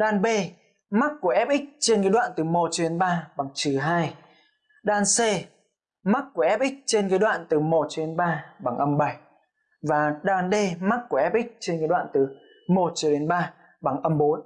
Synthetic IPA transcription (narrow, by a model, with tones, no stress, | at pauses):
ɗaː˧nɓe˧ | ma˦˥k̚ku˧˩əʔɛ˦˥p̚ʔi˦˥k̟̚t͡ɕe˧nkəː˨˦jɗwa̰ː˧˨nt̪ɨ˨˩mo˨˩t̚t͡ɕɔ˧˩ɗe˨˦nɓaː˧ɓa˨˩ŋt͡ɕɨ˨˩ɦaː˧j | ɗaː˧nse˧ | ma˦˥k̚ku˧˩əʔɛ˦˥p̚ʔï˦˥k̟̚t͡ɕe˧nkə˨˦jɗwa̰ː˧˨nt̪ɨ˨˩mo˨˩t̚t͡ɕɔ˧˩ɗe˨˦nɓaː˧ɓa˨˩ŋʔə˧mɓə˨˩j | vaː˨˩ɗaː˧nɗe˧ma˦˥k̚ku˧˩əʔɛ˦˥p̚ʔi˦˥k̟̚t͡ɕe˧nkə˧˨˦ɗwa̰ː˧˨nt̪ɨ˨˩ | mo˨˩t̚t͡ɕɔ˧˩ɗe˨˦nɓaː˧ | ɓa˨˩ŋʔə˧mɓo˨˦n